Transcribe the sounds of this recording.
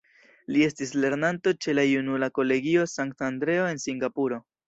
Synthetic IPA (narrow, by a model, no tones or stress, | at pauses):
lie̞stisle̞ɾnanto̞t͡ʃe̞lajunulako̞le̞ɡio̞saŋk̚tandɾe̞o̞e̞nsiŋɡapuɾo̞